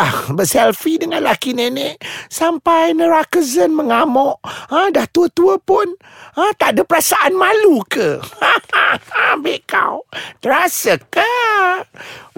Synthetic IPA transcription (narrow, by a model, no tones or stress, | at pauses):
ahbəsɛlfidəŋanlakinenɛʔsampajnəɾakəzənməŋamɔʔədaht̪uət̪uəpʊn | at̪aʔdəpəɾasaʔanmalukəhaaabɛʔka̰wt̪əɾasaka